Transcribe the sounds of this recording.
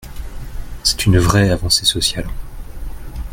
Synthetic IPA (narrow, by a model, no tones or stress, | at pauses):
sɛ̥t̪ʰynvʁɛavɑ̃sesɔsjal